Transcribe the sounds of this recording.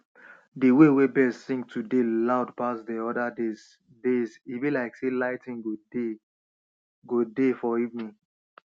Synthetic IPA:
diwewebɛzsĩŋk̚tʰudelaʊdpasdɛɔdadez | dezibilaɪkselaɪtĩnɡode | ɡodefɔivnĩn

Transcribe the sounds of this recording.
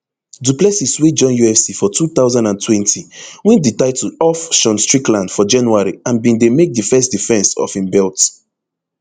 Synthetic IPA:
duplɛsiswed͡ʒɔ̃njuɛfsifɔtʰuθaʊzãndãntʰwɛ̃ntʰiwĩnditaɪtʰuɔfʃɔ̃nstɹiklãndfɔd͡ʒãnuaɹiãnbĩndemek̚difɛstdifɛ̃nsɔ̰fĩmbɛlt

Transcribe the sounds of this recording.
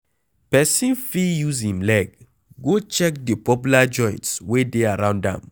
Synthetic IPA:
pɛsĩnfijuzĩmlɛɡ̚ | ɡot͡ʃɛk̚dəpɔp̬julad͡ʒɔ̃j̃ntswedeaɹãʊ̃ndã̰m

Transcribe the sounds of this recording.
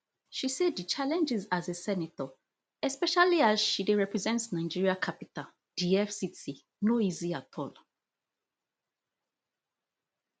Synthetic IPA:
ʃiseddit͡ʃalɛ̃nd͡ʒizazesɛnetɔ | ɛspɛʃaliazʃideɹɛpɹɛzɛ̃ntsnaɪd͡ʒiɹiakʰapita | d̥iɛfsiti | noiziatʰɔl

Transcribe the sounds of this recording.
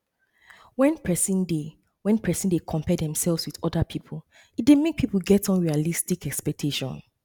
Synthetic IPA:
wɛ̃npʰɹɛsĩnde | wɛ̃npʰɹɛsĩndekʰɔ̃mpɛdɛ̃msɛlˠvzwiðɔdapʰipʰl̩ˠ | it̚demek̚pʰipul̩ˠɡɛtɔ̃nɹialistikɛkspɛk̚tʰeʃɔ̰̃n

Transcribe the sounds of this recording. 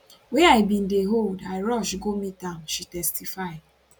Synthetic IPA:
wɛaɪbĩndeɦoldaɪɹɔʃɡomĩtãʊ̃nʃitɛstifaɪ

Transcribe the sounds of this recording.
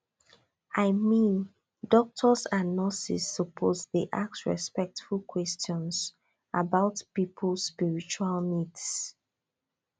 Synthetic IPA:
aɪmĩn | dɔk̚tʰɔsãnːɔsḭsːəpʰozðeʔak̚sɹɛ̰spɛk̚tfulkʰwɛstʰjɔ̃ns | ʔabaʊtpipʰlsspiɹit͡ʃualmids

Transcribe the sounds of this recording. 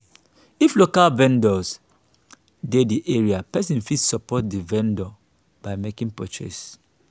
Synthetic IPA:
iflokalvɛ̃ndɔs | dediʔeɹiapɛsĩnfidsɔpɔt̚divɛ̃ndɔ | baɪmekĩŋpo̰t͡ʃɛ̰s

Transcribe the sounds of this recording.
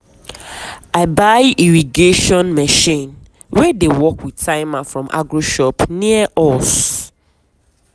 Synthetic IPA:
aɪbaɪiɹiɡeʃɔ̃nmɛʃĩn | wɛdewɔkwidtʰãɪmafɹɔ̃mʔa̰ɡɹoʃɔpniəʔɔs

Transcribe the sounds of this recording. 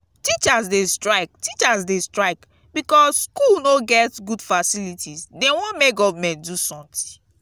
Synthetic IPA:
tit͡ʃazdestɹaɪk̚tit͡ʃazdestɹaɪk | bikɔsskulnoɡɛtɡudfasilitʰizdewɔ̃nmeɡɔvmɛ̃ntdusɔ̃mt̪ĩ̥

